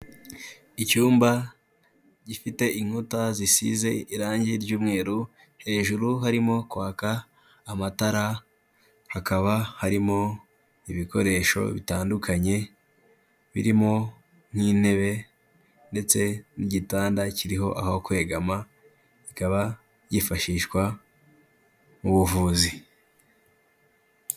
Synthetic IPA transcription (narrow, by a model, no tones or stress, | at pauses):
icuːmba | ɟifite̞ʔiŋ̥hutazisḭze̞iɾaːɲɟiɾɟuːmŋe̞ːɾu | he̞ːʒuɾuɦaɾimo̞kwaːkaː | mataɾa | hakaβahaɾimo̞ | iβiko̞ɾe̞ːʃo̞̰βitaːndukʰaɲe̞ | βḭɾimo̞ | ŋ̥hiːn̥e̞βe̞ | nde̞t͡se̞niɟitaːndaciɾiɦo̞̰ʔa̰hahokwe̞ɡama | ikaβa | ɟifaʃiːʃkwa | muβuvuːzi